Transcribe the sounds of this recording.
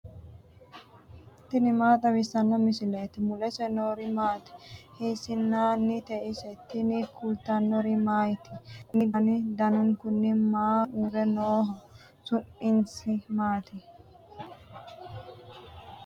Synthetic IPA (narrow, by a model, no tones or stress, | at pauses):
t̪ɪnɪmaːt̪ʼɐwɪsɐnːɔmɪsɪleːt̪ɪmʊlɛsɛnoːɾɪmaːt̪ɪ̥hisɪnːaːnːɪt̪ɛʔɪsɛt̪ɪnɪkʊlt̪ɐnːɔɾɪmaːjɪt̪ɪ̥nɪd̪ɐnɪd̪ɐnʊŋkʊnːɪmaːuɾɛnoːɦɔ | sʊnːɪnsɪmaːt̪ɪ